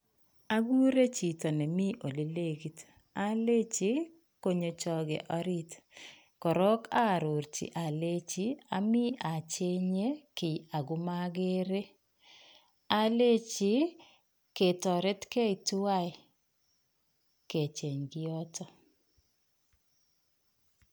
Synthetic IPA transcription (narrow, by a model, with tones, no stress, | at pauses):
a˦ɡu˦ɾe˦t͡ʃi˨tɔ˨nɛ˨mi˦ʔo˨le˨le˦ɡi˨t | a˦le˦t͡ʃi˦ | ko˨ɲo˨t͡ʃɔ˨ɡḛ˨ʔɔ˦ɾi˦t | kɔ˨ɾɔ˦ka˦˨ɾo˨ɾt͡ʃḭ˨ʔa˨le˦t͡ʃi˦a˦mi˦a˨t͡ʃe˦ɲe˦kɪ˨ja˨ɡʊ˦ma˦ɡe˦ɾe˦ | a˦le˦t͡ʃi˦ | ke˨tɔ˨ɾe˦tke˦i˨tu˦wa˦ɪ˨ | ke˨t͡ʃe˨ɲɡi˦ɔ˦tʰɔ˦